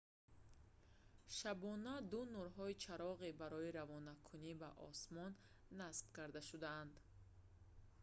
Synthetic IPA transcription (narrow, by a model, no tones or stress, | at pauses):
ʃabɔnad̪unuɾɦɔit͡ʃʰaɾɔʁebaɾɔiɾavɔnakʰunibaʔɔ̰smɔnː | asb̥̚kaɾd̪aʃud̪aːnd̪